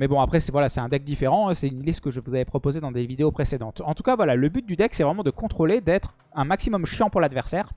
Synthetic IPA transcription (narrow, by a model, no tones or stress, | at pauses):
mɛbɔ̃apχɛsɛvwalasɛt̪ɛ̃d̪ɛk̚d̪ifeʁɑ̃ɛ̃sɛynlist̪kəʒəvuzavɛpχɔpozed̪ɑ̃d̪evid̪eopχesed̪ɑ̃t̪ɑ̃t̪u̥kavwalaləbyt̪̚d̪yd̪ɛksɛvʁɛmɑ̃d̪əkɔ̃t̪χoled̪ɛt̪χ | ɛ̃maksimɔmʃjɑ̃puʁlad̪vɛʁsɛːʁ